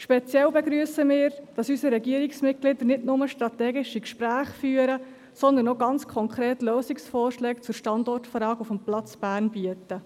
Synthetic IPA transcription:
ʃpɛt͡sjɛlbɛɡɾyəsəmɪːɾd̥ɑsysəɾɛɡiəɾɪksmɪt̚ɡ̥lɪd̪ənɪdnʊməʃtɾɑt̪ɛːɡɪʃikʃpɾæːχfyːəɾə | sɔnd̪ənoɡɑnt͡skʰɔŋkʰɾeːtløːsiksfɔːrʃlɛːkt͡sʊʃtɑndɔrtfɾɑːɡufəmplɑt͡sb̥æːrnbyətə

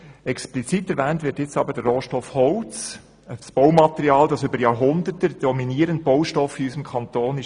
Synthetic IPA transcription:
ɛksplit͡sitɛɾʋæːntʋɪɾtjɪt͡sɑbədəroːʃtɔfhɔʊt͡s | sb̥owmɑt̪ɛɾiɑːldɑsʏbəɾjɑːɾɦʊnd̪ətəd̥ɔminiəɾənt̚b̥owʃtɔfiysəmkʰɑntoːnɪ

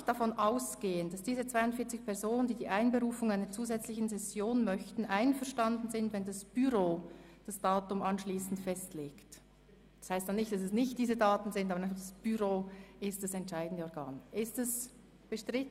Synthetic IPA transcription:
d̥afɔnʔaʊsɡ̥eːəndasd̥iːzət͡sv̥aɪʊntfɪɐt͡sɪçpʰɛɐzoːnəndiːdiːʔaɪnbəʁuːfʊŋaɪnəɐt͡suːzɛt͡slɪçn̩sɛsjoːnmœçtn̩ʔaɪnfɛɐʃtandn̩zɪntvɛndasb̥yʁoː | d̥asd̥aːtʊmɑnʃliːsn̩tfɛstleːkt | d̥ḁshaɪstdanɪçtd̥asɛsnɪçt̚d̥iːzədaːtn̩zɪntːbɐɾaɪnfɑχd̥asb̥yʁoːɪstd̥asɛntʃaɪdn̩dəɔɐɡa̰ːnʔɪstɛs | b̥əʃtʁɪt

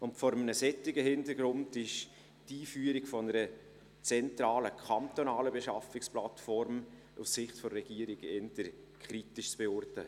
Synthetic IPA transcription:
ʊntfɔɾəmənəsɛtːɪɡəhɪntəɾɡ̥ɾʊndɪʃ | tiːfyːəɾɪɡfɔnəɾə | t͡sɛntrɑːləkʰɑnt̪onɑːləbeʃɑfɪksplɑtfɔɾm | ʔṵssɪχtfɔɾːɛɡ̥iəɾiɡɛntəɾ | kʰχɾitɪʃt͡sb̥eʊrtə

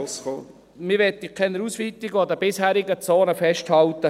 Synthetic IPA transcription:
mɪɾʋɛt̪ːikʰɛnəɾuːsʋiːt̪ːɪɡɔd̪əb̥ɪshæːɾɪɡət͡soːnəfɛʃthɑltə

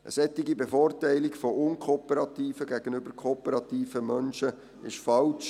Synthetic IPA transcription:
ʔə̰sɛt̪ːɪɡibefoːrtæɪlɪkfoʔʊnkʰopəɾɑt̪iːfəɡæɡ̥ənʏbəɾkʰopəɾɑt̪iːfəmœnʃə | ɪʃfɑlt͡ʃ

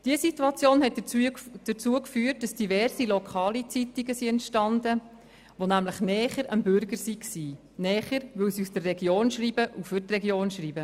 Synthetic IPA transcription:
d̥iəsituɑt͡sjoːnɦɛtd̥ət͡suəkfyːət̚d̥ɑsd̥ivɛɾsilokʰɑːlit͡sit̪iɡəsiɛntʃtɑndə | ʋonæmləχnɛːχəɾənbʏɾɡəɾsiksiː | nɛːχəɾʋɵwsiusdərːɛɡjoːnʃriːbəʔufʏtrɛɡjoːnʃriːbə

